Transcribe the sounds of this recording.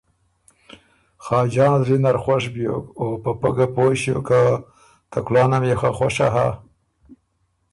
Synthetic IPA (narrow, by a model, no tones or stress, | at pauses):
xɑːd͡ʒɑːnzɾinaɾxwaʂbjo̰kopapaɡapoʃjo̰ka | t̪aklɑːnamjexaxwaʂaɦa̰